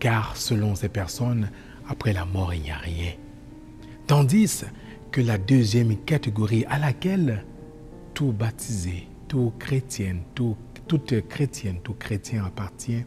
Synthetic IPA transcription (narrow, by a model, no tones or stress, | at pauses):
kaʁsəlɔ̃sɛpɛʁsɔn | apχɛlamɔʁilja̰ʁjɛ̃ | t̪ɑ̃d̪is | kəlad̪øzjɛmkat̪eɡɔʁiʔalakɛl | t̪ubat̪ʰize | t̪ukʁet̪jɛnt̪u | t̪ut̪kχet̪jɛnt̪ukχet̪jɛ̃apaʁt̪jɛ̃